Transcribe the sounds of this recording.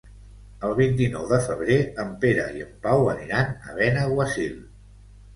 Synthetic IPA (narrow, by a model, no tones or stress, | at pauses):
əlˠβ̞int̪̬inɔwðəfəβ̞ɾeəmpeɾə̰iəmpawəniɾanə̰β̞ɛnəɣwəsil